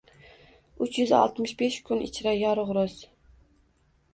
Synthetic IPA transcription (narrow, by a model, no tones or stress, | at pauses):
ʊt͡ʃʰjʏzɒ̰lˠt̪mɪʃbeʃkʰʊnɪ̰t͡ʃʰɾajɒɾʊʁɾʊz